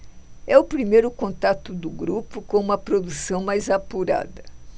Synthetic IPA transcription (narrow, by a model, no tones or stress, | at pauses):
ɛʊpɾimejɾʊkõnt̪at̪ʊd̪ʊɡɾupʊkõũmɐpɾod̪usɐ̃w̃majzapuɾa̰d̪ɐ